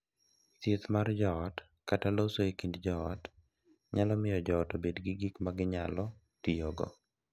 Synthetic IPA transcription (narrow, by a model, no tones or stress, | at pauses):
t̪jet̪mard͡ʒɔːt | katalosoekindd͡ʒɔɔt | ɲalɔmɪjɔd͡ʒɔːtobedɡiɡikmaɡɪɲalɔ | tijoɡɔ̰